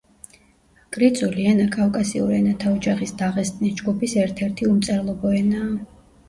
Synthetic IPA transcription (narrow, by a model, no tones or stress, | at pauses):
kʼɾit̪sʼulianakʼafkʼasiṵɾɛnat̪ʰaɔd͡ʒaχisd̪aʁɛst̪ʼnisd͡ʒɡupisɛɾt̪ʰɛɾt̪ʰiumt̪sʼɛɾlˠɔbɔɛnaː